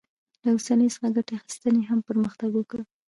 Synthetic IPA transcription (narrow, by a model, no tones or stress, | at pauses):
lawosanəjsə̥xaɡaʈeaxi̥st̪əneɦampəɾməxt̪aɡokəɽ